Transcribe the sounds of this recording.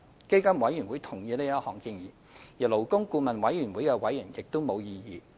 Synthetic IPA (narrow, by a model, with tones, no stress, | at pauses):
ke˥jkɐ˥mwɐ˨˥jyː˨˩nwuː˨˥jt̪ʰʊ˨˩ŋjiː˧liː˥ɐ˥hɔː˨˩ŋkiː˧njiː˨˩ | jiː˨˩lo˨˩wkʊ˥ŋkuː˧mɐ˨nwɐ˨˥jɥyː˨˩nwuː˨˥jkɛː˧wɐ˨˥jːyː˨˩njɪ˨k̚t̪o˥wmo˨˧wjiː˧jiː˨˧